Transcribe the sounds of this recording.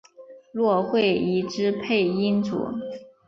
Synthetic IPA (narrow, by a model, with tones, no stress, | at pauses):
lwɔ˥˧xwe˥˩ɪi˧˥ʈ͡ʂɻ̩˥pʰe˥˩ɪi˥nt͡sṵ˨˩˦